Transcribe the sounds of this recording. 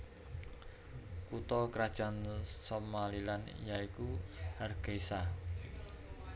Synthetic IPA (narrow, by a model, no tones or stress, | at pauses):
kut̪ɔkəɾad̥ʒ̥a̤nsomalilan̰jaikuharɡ̥esa